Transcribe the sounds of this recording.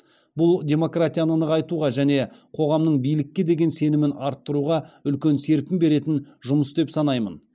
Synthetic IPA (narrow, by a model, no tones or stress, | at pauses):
bʊlˠdʲe̞mo̞krat̪ʲijanənəʁɑjt̪uʁɑʒæne̞qʰo̞ʁɑmnəɴbijlɪkʲːe̞d̪e̞ɡʲe̞nse̞nɪmɪnɑɾt̪ːəɾuʁɑʏlkʲe̞nse̞ɾkʲɪmbe̞ɾe̞t̪ɪnʒʊməsd̪e̞psɑnɑjmən